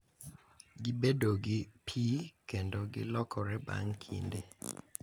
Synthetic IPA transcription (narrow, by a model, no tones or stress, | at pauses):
ɡɪbedoɡɪpʰikendoɡɪ̰lɔkʰɔɾɛba̰ŋkʰḭnde